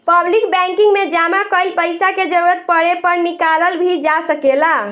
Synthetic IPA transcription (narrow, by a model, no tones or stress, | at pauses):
pəblikbɛ̃ŋkiŋɡmed͡ʒamakəilpəɪsaked͡ʒəɾuɾət̪̚pəɾepəɾnikaləlbʱid͡ʒasəkela